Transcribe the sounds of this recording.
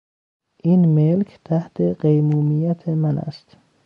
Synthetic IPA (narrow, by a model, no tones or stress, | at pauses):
ʔiːnmelkʰt̪ʰæht̪ʰeɢejmuːmijæt̪ʰemænæ̰st̪